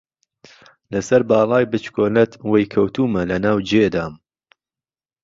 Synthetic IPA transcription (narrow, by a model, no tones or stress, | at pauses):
lɐsɐɾbɑːlˠɑːjbɨt͡ʃkoːlɐt̪wejkʰɐwt̪uːmɐlɐnaːwd͡ʒeːd̪aːm